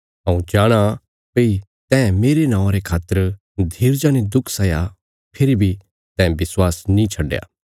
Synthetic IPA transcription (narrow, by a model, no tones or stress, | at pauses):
ɦɐ̃ũd͡ʒaːɽ̃a | pei | t̪ɛ̃ːmeːɾenãːʊ̃ãɾekʰaːt̪ːəɾ | d̪ʱiːɾd͡ʒaːned̪ʊkʰsɐja | pʰeːɾibʱi | t̪ɛ̃ːbɪswaːsnĩt͡ʃʰɐɖja̰ː